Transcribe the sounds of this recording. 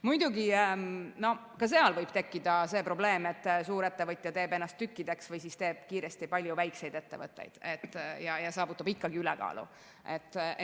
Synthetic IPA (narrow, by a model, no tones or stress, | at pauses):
mujd̪̥uɡi | no̞ | kɑs̬e̞ɑlvɤjb̥t̪e̞kːid̪̥ɑse̞ːpɾo̞ble̞ːme̞t̪ˑːsuːɾe̞t̪ːe̞vɤt̪ʲˑjɑt̪eːbe̞nːɑst̪ːykːid̪e̞ksvɯjsist̪e̞ːb̥̚kiːɾe̞st̪ipɑlʲjuvæjkse̞jd̪e̞t̪ːe̞vɤt̪ːˑḛjd̪̥et̪ːˑjɑjɑsɑːvut̪ːˑɑbikːɑɡiylɛkɑ̰ːlṵ | ʔe̞t̪ːˑ